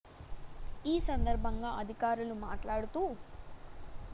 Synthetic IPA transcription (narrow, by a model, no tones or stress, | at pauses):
iːsɐnd̪ɐɾbʱɐŋɡaːɐd̪ʱikaːɾulumaːʈlaːɽut̪uː